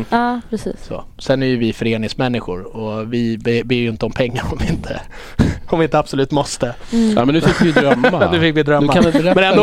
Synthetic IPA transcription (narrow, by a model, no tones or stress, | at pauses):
ɑːpʰɾɛsḭːsso̰ | sɛnæɾjɵvɪfœɾeːnɪŋsmɛnːɪɧʊɾɔvɪbebeːjɪnt̪əɔmpʰɛŋːaɾɔmvɪɪnt̪ʰə̰ | ɔmvɪɪnt̪əabsɔlʉ̟ːt̪mɔst̪əamɛnʉfɪkːvɪd̪ɾœmːanʉfɪkːvɪd̪ɾœmd̪ːaanɪɾɛmɛnɛnd̪oː